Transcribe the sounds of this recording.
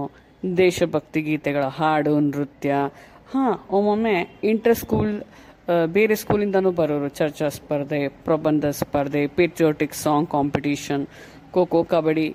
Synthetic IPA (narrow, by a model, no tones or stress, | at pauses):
d̪eːʃɐbʱɐk̚t̪iɡiːt̪eɡɐɭɐɦaːɾɖuːnɾut̪jɐ | hãːoːmɐmeɪɳʈɐɾskuːl | beːɾeskuːlind̪ɐnũːbɐɾoːɾut͡ʃɐɾt͡ʃɐspɐɾd̪eːpɾɐbɐnd̪ʱɐspɐɾd̪eːpeːʈɾijoːʈiksɔːŋɡkaːmpiʈiːʃɐn | koːkoːkɐbɐɽi